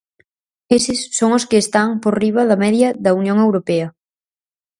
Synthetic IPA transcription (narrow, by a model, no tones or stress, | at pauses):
esɪsːoŋoskɪːst̪aŋpoɾriβ̞ɐðɐmɛðjɐðɐunjõŋewɾopɛɐ